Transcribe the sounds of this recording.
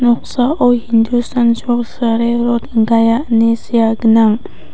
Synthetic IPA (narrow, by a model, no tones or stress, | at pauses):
nɔk̚saʔohind̪ustansɔksaɾeɾɔt̪ŋɡajaʔnisijaɡɯnaŋ